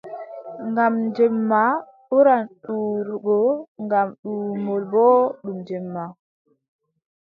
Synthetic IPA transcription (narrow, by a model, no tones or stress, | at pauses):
ŋɡamɲd͡ʒɛmːa | uɾanɗuɾɡɔŋɡamɗuːmɔlbɔɗumd͡ʒɛmːa